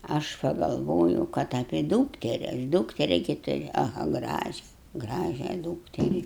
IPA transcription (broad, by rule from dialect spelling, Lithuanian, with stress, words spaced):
ɐʃ pɐɡɐlˠˈʋoːjɛʊ ˈkɐt ɐpʲeː ˈduːktʲɛrʲɪ ɐʃ ˈduːktʲɛrʲɪ ɡʲɪ tʊˈrʲʊ ɐˈɣɐ ˈɡrɑːʒʲɛ ˈɡrɑːʒʲæː ˈduːktʲɛrʲɪ